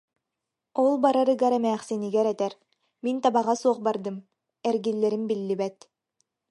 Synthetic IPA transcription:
ɔlˠbaɾaɾɯɡaɾɛmɛːχsiniɡɛɾɛt̪ɛɾ | mint̪abaʁasuɔχbaɾd̪ɯm | ɛɾɡilːɛɾinbilːibɛt̪

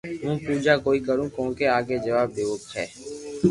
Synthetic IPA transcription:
ɦũːpuːd͡ʒaːkoːiːkəɾũːkõːkeːaːɡeːd͡ʒəʋaːb̚ːeːʋʊkt̪ɦɛ̰ː

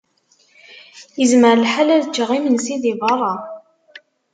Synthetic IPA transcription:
jəzməɾlħalæðt͡ʃːʁimənsiðivɑrˤɑ

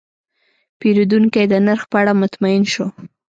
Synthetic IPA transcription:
peɾud̪uŋkajd̪ənaɾxpəaɽamʊt̪maɪnʃo

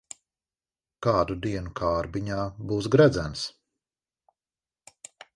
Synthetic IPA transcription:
kaːd̪ud̪iɛnukʰaːɾbiɲaːbuːsɡɾæd̪zæns

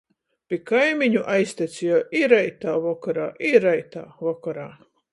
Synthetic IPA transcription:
pʲikajmiɲuʔajsʲt̪ʲɛt̪sijɔʔiɾajt̪aːvɔkaɾaːʔiɾajt̪a̰ːvɔkaɾaː

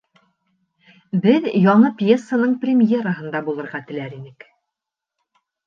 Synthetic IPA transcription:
bɘðjɒɴɤpʲjesːənɤɴprʲɪmʲjeɾəɦɤ̆nd̪ɑbulˠɤ̆ɾʁɑt̪ɘ̆læɾinɘk

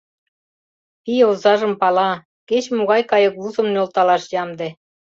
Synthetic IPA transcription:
pijozɑʒə̆mpɑlɑ | ket͡ɕmoɣɑjkɑjɤ̆kluzə̆mnolt̪ɑlɑʃjɑmd̪ĕ

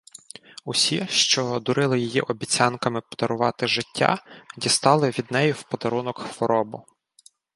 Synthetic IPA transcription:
ʊsʲiʃt͡ʃɔd̪ʊɾɪlˠɪjijiʔɔbʲit͡sʲɑnkɐmɪpɔd̪ɐɾʊʋɑt̪ɪʒɪtʲːa̰dʲist̪ɑlˠɪʋʲid̪nɛjʊwpɔd̪ɐɾunɔkxʋɔɾɔbʊ

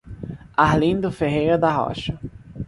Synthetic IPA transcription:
aɦlĩnd̪ʊfeɦejɾɐd̪ɐɦɔ̰ʃɐ

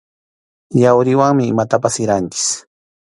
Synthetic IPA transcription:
jawɾɪwaŋmɪːmat̪apasɪɾant͡ʃɪ̥s

